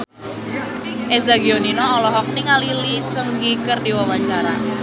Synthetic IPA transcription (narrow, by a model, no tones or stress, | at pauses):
ʔezaɡioninɔːlɔɦɔk̚niŋalilisəŋɡikərdiwawaɲt͡ʃaɾa̰